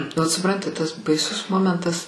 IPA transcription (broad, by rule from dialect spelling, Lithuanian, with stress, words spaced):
ʋɐt sʊˈprɐnʲtʲɪ tɐs bɐɪˈsʊs ˈmoːmʲɛntɐs